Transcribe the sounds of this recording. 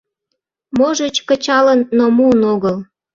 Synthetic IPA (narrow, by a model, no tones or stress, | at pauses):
moʒət͡ɕkət͡ɕɑlənːomuənoɣəl